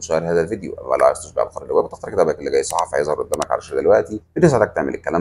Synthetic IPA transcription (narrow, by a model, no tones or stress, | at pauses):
ʃæʔeɾhæːzælvid̪ejo̰ʔæ̰læ̰ʕst̪æʃbeʕlxɑɾˤɾbæbæt̪ext̪ɑɾˤked̪æbækelːeɡæjːsˤɑħɑfhæ̰jezˤhɑɾʔod̪ːæːmækʕa̰læ̰ʃæld̪elwæʔt̪ibenesːælæːk̚t̪eʕmḛlekːælæːm